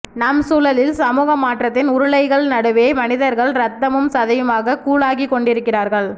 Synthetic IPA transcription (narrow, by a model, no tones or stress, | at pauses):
nɐmsuːlɐlɪlsɐmuːɣɐmaːʈrɐt̪ːɪnʊɾʊɭɐɪɣɐɭnɐɽɯʋeːmɐnɪðɐɾɣɐɭɾɐt̪ːɐmɯmsɐðɐjɯmaːɣɐkuːɭaːɣikːɔɳɖɪɾɯkːɪraːɾɣɐɭ